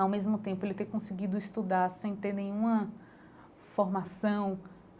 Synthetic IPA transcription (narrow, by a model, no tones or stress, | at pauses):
awmezmʊt̪ẽpʊelɪt̪eɾkõsɪɡid̪ʊist̪ud̪aɾsẽj̃t̪eɾnẽj̃ũmɐ | foɾmasɐ̃w̃